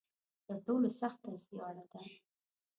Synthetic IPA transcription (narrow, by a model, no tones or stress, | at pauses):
t̪əɾʈolosaxt̪ːaziɑlad̪a